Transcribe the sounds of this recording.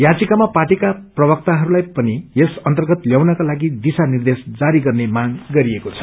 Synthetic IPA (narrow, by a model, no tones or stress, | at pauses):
jad͡zikamapaʈikaprʌbʌk̚t̪aɦʌɾulajpʌniesʌnt̪ʌrɡʌt̪ljawnʌkalaɡid̪isanird̪esd͡zaɾiɡʌrnemaɡɡʌɾiekot͡sʰʌ̥